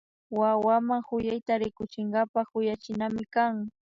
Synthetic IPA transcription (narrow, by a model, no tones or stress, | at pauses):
wawamaŋhʊjajt̪aɾɪkʊt͡ʃɪŋɡapahʊjat͡ʃɪnamɪkaŋ